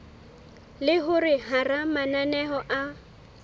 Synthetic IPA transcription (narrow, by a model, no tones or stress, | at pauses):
lɪɦʊrɪharamananɛɦɔʔa